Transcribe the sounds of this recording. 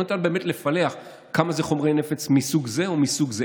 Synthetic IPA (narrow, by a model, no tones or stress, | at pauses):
ot̪anbe̞ːme̞tle̞fale̞aχ | kamazeχo̞mʁejnefet͡smisuɡze̞omisuɡze